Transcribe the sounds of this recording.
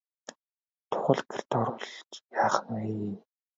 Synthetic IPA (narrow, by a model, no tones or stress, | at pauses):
t̪ʰʊ̥χə̆ɮɡe̥rt̪ɔɾʊːɮt͡ɕjaːχəneji